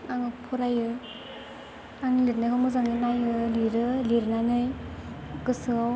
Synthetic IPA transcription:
aŋɯpʰuɾajɯ | aŋilitnɯɡɯmɔzaŋinajɯliɾɯliɾɯnanɯj | ɡɯsɯaw

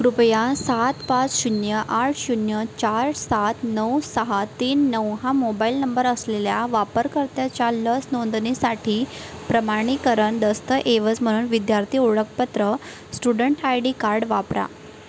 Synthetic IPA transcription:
kɾupjãsat̪pat͡sɕunjəʔaʈʰɕunjət͡ɕaɾsat̪ʰnəwsəɦat̪iːnːəwɦamobailnəmbəɾəsleljaʋapəɾkəɾt̪jat͡ɕjaləsnond̪nisaʈʰiːpɾəmaɽ̃ikəɾəɳd̪əst̪əʔeʋət͡sm̤əɽ̃uːnʋid̪jaɾt̪ʰiːuɽəkpət̪ɾə | sʈuɽəɳʈajɖiːkaɾɖʋapɾa̰

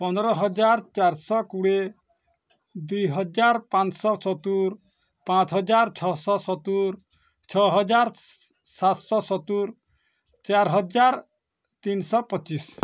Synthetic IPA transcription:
pɔnɔɾɔɦɔd͡ʒaɾt͡ʃaɾsɔkuɽe | d̪ujɦɔd͡ʒaɾpãnt͡ʃsɔsɔt̪uɾ | pãt͡ʃɦɔd͡ʒaɾt͡ʃʰɔsɔsɔt̪uɾ | t͡ʃʰɔɦɔd͡ʒaɾ | sat̪sɔsɔt̪uɾ | t͡ʃaɾɦɔd͡ʒaɾ | t̪insɔpɔt͡ʃis

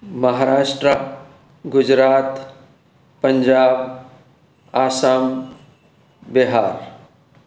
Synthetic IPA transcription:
məɦaɾaːʃʈɾa | ɡʊd͡ʒɾaːt̪ | pəɲd͡ʒaːb | aːsam | beɦaːɾ

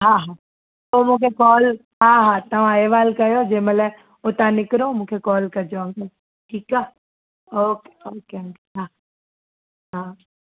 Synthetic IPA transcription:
ɦãɦãː | omũːkʰekɔːl | ɦãːɦãːt̪ɐʋ̤ãeːʋaːlkɐjod͡ʒeːməlɛ | ot̪ãnɪkɾõːmũːkʰekɔːlkɐɾd͡ʒoə̃ŋɡəl | ʈʰiːkaː | oːke̥oːkeõːɡeɦã | ɦãː

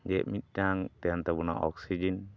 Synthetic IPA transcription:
d͡ʒɛʔmit̪̚ˀʈaŋt̪ɛjant̪ɛbɔna̰ʔɔ̰ksid͡ʒin

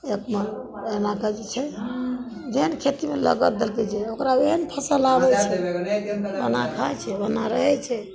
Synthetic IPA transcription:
ekməenakəd͡ʒɛt͡ʃʰɛ | d͡ʒenkʰet̪imelə̰ɡət̪̚d̪elkɛt͡ʃʰɛokɾaeɦənpʰəsəlabɛt͡ʃʰɛ | bənakʰajt͡ʃʰɛbənaɾəɦɛt͡ʃʰɛ

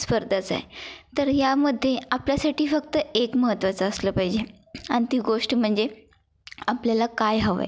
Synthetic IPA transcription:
spəɾd̪ʱət͡sa̰jt̪əɾjaməd̪ʱːjeapljasaʈiːfək̚t̪əekməɦət̪ːʋat͡səːsləːpaɦid͡ʑe | añt̪iɡoʂʈm̤əɳd͡ze | apljalakajɦəʋa̰j

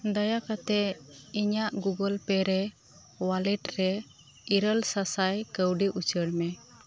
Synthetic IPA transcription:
d̪əjakat̪ɛiɲaʔɡuɡəlpɛɾɛ | walɛʈɾɛ | iɾəlsasajkəwɖiʔut͡ʃəɽmɛ

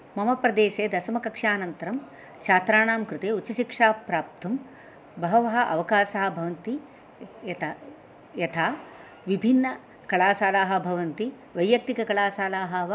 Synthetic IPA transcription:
mɐmɐpɾɐd̪eːʃeːd̪ɐsɐmɐkɐkʂaːnɐnt̪ɐɾɐm | t͡ʃʰaːt̪ɾaːɳaːmkɾɪt̪eːut͡ʃːɐʃikʂaːpɾaːp̚t̪ʰɐm | bɐɦɐʋɐɦɐ̆ʔɐ̰ʋɐkaːʃɐɦɐ̆bʱɐʋɐnt̪i | ɐt̪ | jɐt̪ʰaː | ʋibʱinːɐ | kɐɭaːsaːlaːɦɐ̆bʱɐʋɐnt̪i | ʋɐjjɐk̚t̪ikɐkɐɭaːsaːlaːɦɐʋ

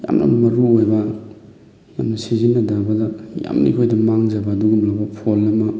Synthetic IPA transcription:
ja̰mnʔɐ̰mmɐɾuojbɐ | jamnɐsizinːɐdabɐlaja̰mnḭkʰojdɐmaŋzɐbaːduɡunobɐpʰolːɐmɐ

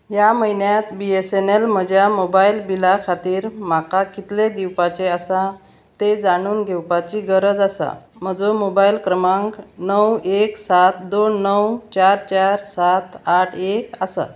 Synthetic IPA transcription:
jaməjnjat̪biesenelm̤əd͡ʑjamobailbilakʰat̪iːɾm̤akakit̪led̪iwpat͡ɕeəsa | t̪ed͡zaɽ̃uːnɡʱewpat͡ɕiɡəɾəd͡zasa̰m̤əd͡zomobailkɾəmaŋknəweksat̪d̪onːəwt͡ɕaɾt͡ɕaɾsat̪ʰaʈʰekasa̰

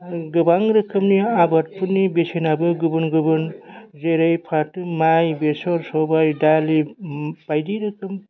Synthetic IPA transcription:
ɡɯbaŋɾɯkʰɯmniabat̚pʰunːibesenabɯɡɯbɯnɡɯbɯnzeɾɯjpʰatɯmajbesɔɾsɔbajdalib̥ajdiɾɯkʰɯm

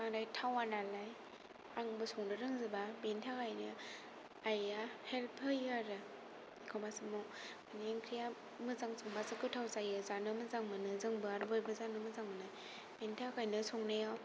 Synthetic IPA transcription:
aŋdajtʰawanalaj | aŋbɯsɔŋdɯɾɯŋzɯbabentʰakʰajnɯ | ajahelpʰɯjaɾɯ | kʰɔbasɯmɔ | aneŋkʰɾija | mɯzaŋsʰɔŋbasɯkɯtʰawzajɯzanɯmɯzaŋmɯnɯzɯŋbɯaɾbɯjbɯzanɯmɯzaŋmɯnaj | bentʰakajnɯsɔŋneja

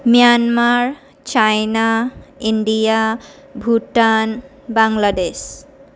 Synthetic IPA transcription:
mijanmaɹ | t͡ʃajnaiɳɖija | bʱuʈan | baŋlades

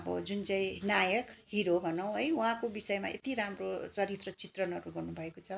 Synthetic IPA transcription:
ʌbʌ̰d͡zunt͡sãĩnajʌkhiɾobʱʌnʌw̃ɦʌjwɦãkobisʌjma̰ʔḛt̪iɾamrot͡sʌɾit̪rʌt͡sit̪rʌnʌɾuɡʌrnubʱʌekot͡sʰʌ

